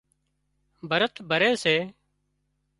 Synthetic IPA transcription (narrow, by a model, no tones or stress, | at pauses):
bʱəɾət̪ʰbʱəɾeːseː